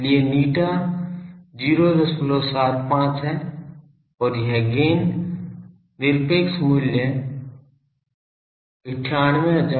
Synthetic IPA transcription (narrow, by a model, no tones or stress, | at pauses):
lieniːʈa | d͡ʒiːɾod̪əsploːsaːt̪pãːt͡ʃɦɛ | ɔːɾjɦeɡeːn | d̪ɪɾpeːksmuːljə | ɪʈʰaːñʋẽɦd͡ʒa